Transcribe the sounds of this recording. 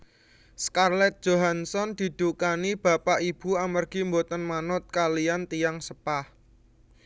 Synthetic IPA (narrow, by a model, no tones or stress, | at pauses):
skarlɛt̪̚d̥ʒ̥o̤ɦansɔnd̪̥i̤d̪̥ukanib̥a̤paʔib̥uamərɡ̥i̤mbot̪ənmanʊt̪̚kalijant̪ijaŋsəpah